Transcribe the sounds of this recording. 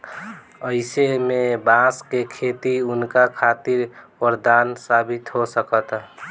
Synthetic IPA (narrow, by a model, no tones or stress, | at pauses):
əɪsemebãskekʰet̪iʊnkakʰat̪iɾpəɾd̪ansabit̪ɦosəkət̪